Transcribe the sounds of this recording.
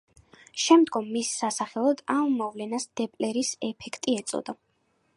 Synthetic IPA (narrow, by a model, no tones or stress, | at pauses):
ʃɛmd̪ɡɔmːisːasaχɛlˠɔd̪amːɔvlɛnasd̪̥ɛpʼlɛɾisɛpʰɛkʰt̪ʼiɛt̪sʼɔ̰d̪a